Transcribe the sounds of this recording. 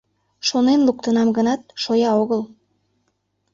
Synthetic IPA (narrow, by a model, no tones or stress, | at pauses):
ʃonenluk̚t̪ənɑmɡənɑt̪̚ʃojɑoɣəl